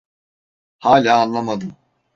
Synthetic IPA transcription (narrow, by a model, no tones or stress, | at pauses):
haːlʲaːnlˠamad̪ɯm